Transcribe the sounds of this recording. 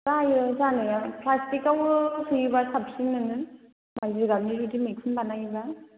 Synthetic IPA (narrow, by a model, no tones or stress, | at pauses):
ɾajɯzanɯjapʰlastikawɯsʰɯjibasap̚sinːɯnɯ | majzɯɾɡabniɾidimikʰɯnbanajiba